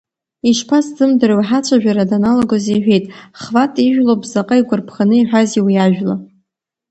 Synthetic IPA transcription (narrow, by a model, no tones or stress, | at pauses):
iʃpʰaszɨmdɨrwħat͡ʃʷʰaʒᶣaɾadanaloɡozejħʷᶣejtʼχvatʼiʒᶣlobzaqʼaiɡʷʊrpʰχanɨiħʷᶣaziwiaʒᶣla̰